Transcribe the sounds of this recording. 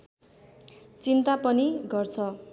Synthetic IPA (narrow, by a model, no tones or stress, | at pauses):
t͡sint̪apʌniɡʌrt͡sʰʌ